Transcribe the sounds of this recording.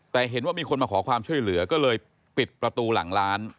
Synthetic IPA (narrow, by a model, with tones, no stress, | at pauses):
t̪ɛː˨˩ɦe˩˦nwaː˥˩miː˧kʰo˧nmaː˧kʰɔː˩˦kʰwaː˧mt͡ɕʰu˥˩əjlɯ˩˦ɐkɔː˥˩lɤː˧j | pi˨˩t̪̚pɾa˧t̪uː˧la̰˨˩˦ŋlaː˦˥n